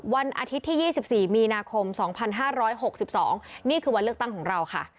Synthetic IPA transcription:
wa˧nʔa̰˧t̪ʰi˦˥t̪ʰːiː˥˩jiː˥˩si˨˩p̚siː˨˩miː˧naː˧kʰo˧msɔː˩˦ŋpʰa˧nɦaː˥˩ɾɔː˦˥jɦo˨˩k̚si˨˩p̚sɔ̰ː˩˦ŋniː˥˩kʰɯː˧wa˧nlɯ˥˩ət̪a˥˩ŋkʰɔː˩˦ɾa˧wkʰa̰˥˩

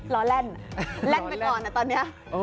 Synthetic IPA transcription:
lɔː˧˦lɛ˥˩nlɛ˦˥˩npa˧kɔː˨˩nːa˧˩t̪ɔː˧nːi˦˥ɐ˧

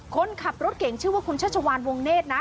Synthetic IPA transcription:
kʰo˧nkʰa˨˩p̚ɾo˦˥t̪̚ke˨˩˦ŋt͡ɕʰɯː˥˩waː˥˩kʰu˧nt͡ɕʰa˥˩t̚t͡ɕʰa˧waː˧nwo˧ŋneː˥˩t̪̚na˦˥

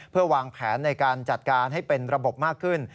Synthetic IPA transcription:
pʰɯ˥˩ɐwaː˧ŋpʰɛː˩˦˥nːa˧jkaː˧nt͡ɕa˨˩t̪̚kaː˧nɦa˥˩jpe˧nɾa˧bo˨˩p̚maː˥˩kʰːɯ˥˩n

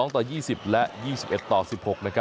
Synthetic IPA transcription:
ɔː˦ŋt̪ɔː˨˩jiː˥˩si˨˩p̚lɛ˦˥ʔjiː˥˩si˨˩pʔe˨˩t̪ːɔː˨˩si˨˩p̚ho˨˩k̚na˥kʰa˦˥

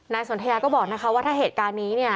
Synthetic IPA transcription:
naː˧jso˩˦t̪ʰa˧jaː˧kɔː˥˩bɔː˨˩k̚na˦˥kʰa˦˥waː˥˩t̪ʰaː˥˩ɦeː˨˩t̪̚kaː˧nːiː˦˥ni˥˩ɐ

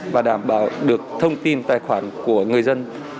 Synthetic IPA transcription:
vaː˨˩ɗaː˧˩mɓaː˧˩˦wɗɨ˨˩ək̚t̪ʰə˧wŋ͡mt̪i˧nt̪aː˧˨˩jxwaː˧˩nku˧˩əŋɨ˨˩əjzə˧n

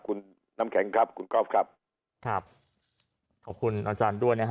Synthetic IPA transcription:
kʰu˧nː | a˧mkʰɛ˩˦ŋkʰɾa˦˥p̚kʰu˧nkɔː˥˩p̚kʰa˦˥˩p̚ | kʰɾa˦˥˩p̚ | kʰɔː˨˩p̚kʰu˧nʔaː˧t͡ɕaː˧ndu˥˩əjna˦˥k

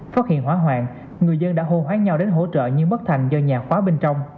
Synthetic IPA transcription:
faː˦˥t̚hḭ˧˨ənɦwaː˨˦ɦwaː˧˨n | ŋɨ˨˩əjzə˧nɗa̰ː˧˥ɦo˧ɦwaː˨˦ɲa˧wɗe˨˦nɦo̰˧˥t͡ɕə̰ː˧˨ɲɨ˧ŋɓə˦˥t̚t̪ʰa˨˩jŋ̟zɔ˧ɲaː˨˩xwaː˨˦ɓe˧nt͡ɕɔ˧wŋ͡m

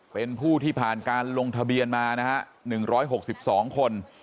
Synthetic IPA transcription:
pe˧npʰuː˥˩t̪ʰiː˥˩pʰaː˨˩nkaː˧nlo˧ŋt̪ʰa˧bi˧ənmaː˧na˦˥kʰa˦˥ʔnɯ˨˩ŋɾɔː˦˥jɦo˨˩k̚si˨˩p̚sɔː˩˦ŋkʰo˧n

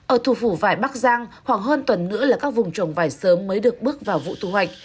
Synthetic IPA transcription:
ʔəː˧˩t̪ʰu˧˩fu˧˩vaː˧˩jɓa˦˥k̚zaː˧ŋhwaː˧˩ŋɦəː˧nt̪wə˨˩nːɨ̰˧˥əlaː˨˩kaː˦˥k̚vʊ˨˩ŋ͡mt͡ɕə˧˩wŋ͡mvaː˧˩jsəː˨˦mːəː˨˦jɗɨ˨˩ək̚ɓɨ˦˥ək̚vaː˨˩wvṵ˧˨t̪ʰu˧˩wa˨˩jk̚

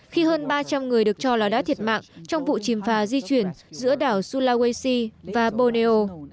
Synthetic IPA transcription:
xi˧həː˧nɓaː˧t͡ɕa˧mŋɨ˨˩əjɗɨ˨˩ək̚t͡ɕɔ˧laː˨˩ɗa̰ː˧˥t̪i˨˩ət̚ma̰ː˧˨ŋt͡ɕɔ˧wŋ͡mvṵ˧˨t͡ɕi˨˩mfaː˨˦zi˧t͡ɕwi˧˩ənzɨ̰˧˥əɗaː˧˩wsu˧laː˧ɣwe˧si˧vaː˨˩ɓo˧ne˧ʔo˧

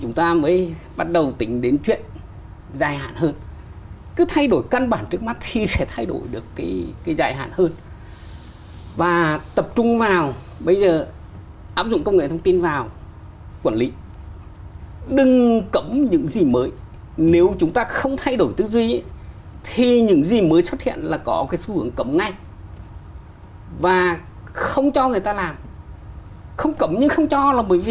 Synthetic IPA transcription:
t͡ɕʊ˨˦ŋ͡mt̪aː˧məː˨˦jɓa˦˥t̚ɗə˨˩wt̪ï˨˦ŋ̟ɗe˨˦nt͡ɕwḭ˧˨ən | zaː˧˩jha̰ː˧˨nhəː˧n | kɨ˨˦t̪ʰa˧jɗo˧˩jka˧nɓaː˧˩nt͡ɕɨ˦˥ək̚ma˦˥t̚t̪ʰi˨˩sɛ˧˩t̪ʰa˧jɗo̰˧˩jɗɨ˨˩əkːaː˨˦jkaː˨˦jzaː˧˩jɦa̰ː˧˨nhəː˧n | vaː˨˩t̪ə˨˩p̚t͡ɕʊ˧ŋ͡mvaː˨˩w | ɓə˧jzəː˨˩ | ʔaː˦˥p̚zʊ̰˧˨ŋ͡mkə˧wŋ͡mŋḛ˧˨t̪ʰə˧wŋ͡mt̪i˧nvaː˨˩w | kwə˧˩nlḭ˨˦ | ɗɨ˨˩ŋkə˨˦mɲɨ̰˧˥ŋzi˨˩məː˨˦j | ne˨˦wt͡ɕʊ˨˦ŋ͡mt̪aː˧xə˧wŋ͡mt̪ʰa˧jɗo˧˩jt̪ɨ˧˦zwi˧˦t̪ʰi˨˩ɲɨ̰˧˥ŋzi˨˩məː˨˦jswə˦˥t̚hḭ˧˨ənlaː˨˩kɔ˨˦kaː˨˦jsu˧hɨ˨˦əŋkə˨˦mna˧˩j | vaː˨˩ | xə˧wŋ͡mt͡ɕɔ˧ŋɨ˨˩əjt̪aː˧laː˨˩m | xə˧wŋ͡mkə˨˦mɲɨ˧ŋxə˧wŋ͡mt͡ɕɔ˧laː˨˩ɓəː˨˦jvi˨˩

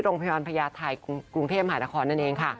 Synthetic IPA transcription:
ɾoː˧ŋpʰa˧jɔː˧npʰa˧jaː˧t̪ʰa˧jku˧ŋt̪ʰeː˥˩ma˧ɦaː˩˦naː˦˧kʰɔː˧nːa˥˩nʔeː˧ŋkʰa˥˩

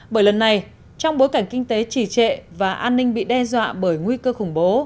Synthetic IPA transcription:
ɓəː˧˩jlə˨˩nːa˨˩j | t͡ɕɔ˧wŋ͡mɓo˨˦jka˧˩ŋ̟kï˧ŋ̟t̪e˨˦t͡ɕi˧˩t͡ɕḛ˧˨vaː˨˩ʔaː˧nːï˧ŋɓḭ˧˨ɗɛ˧zwa̰ː˧˨ɓəː˧˩jŋwi˧kəː˧xʊ˧˩ŋ͡mɓo˨˦

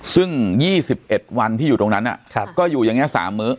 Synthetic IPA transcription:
sɯ˥˩ŋjiː˥˩si˨˩p̚ʔe˨˩t̪̚wa˧nt̪ʰiː˥˩juː˨˩t̪o˧ŋna˦˥nʔa̰˨˩˧kɔː˥˩juː˨˩ja˧ŋːi˦˥˨sa̰ː˩˦mːɯ˦˥ʔ

